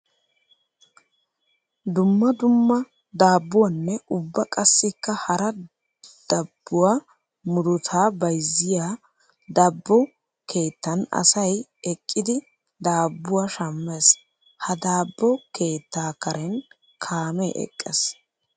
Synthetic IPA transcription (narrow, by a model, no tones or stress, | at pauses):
d̪ʊmːɐd̪ʊmːɐ | d̪aːbːʊwanːɛʔʊbːɐkʼɐsːɪkːɐhɐɾɐ | d̪̥ɐbːʊwaː | mʊd̪ʊt̪ʰaːbɐjzːɪjaː | d̪ɐbːɔ | kʰe̞ːt̪ːɐnɐ̰sɐjɛkʼːɪd̪ɪ | d̪aːbːʊwaːʃɐmːeːs | hɐd̪aːbːɔkʰe̞ːt̪ːaːkɐɾɛn | kʰaːmɛʔɛ̰kʼːes